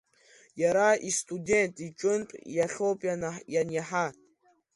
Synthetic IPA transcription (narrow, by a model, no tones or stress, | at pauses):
jaɾaistʼudentʼit͡ʃʼʊntʼjaɬopʼjajanjaħa